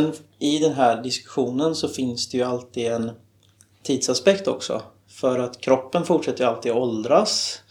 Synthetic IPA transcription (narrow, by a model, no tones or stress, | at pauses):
nɪd̪ɛnɦæːɖɪskɵ̥ɧuːnənsɔfɪnsd̪ɛjɵalt̪ʰiːd̪ɛn | t̪ʰiːd̪saspɛkt̪ɔ̰ksɔ̰ | fœɾat̪kʰɾɔpːənfʊʈʂɛt̪ːəjalt̪iːd̪ɔɔld̪ɾas